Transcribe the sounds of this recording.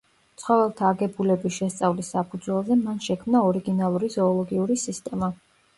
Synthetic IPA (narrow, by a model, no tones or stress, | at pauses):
t̪sʰχɔvɛlˠt̪ʰaːɡɛbulɛbisʃɛst̪sʼavlisːapʰud̪zwɛlˠzɛmanʃɛkʰmnaɔɾiɡinalˠuɾizɔːlˠɔɡiuɾisist̪ʼɛma